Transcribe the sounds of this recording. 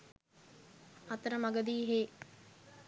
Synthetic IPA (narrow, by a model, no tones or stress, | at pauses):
at̪əɾəmaɡəd̪iːɦeː